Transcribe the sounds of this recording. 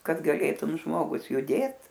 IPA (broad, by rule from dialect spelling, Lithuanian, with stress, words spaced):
kɐt ɡɐˈlʲeːtʊm ˈʒmoːɡʊs jʊˈdʲeːt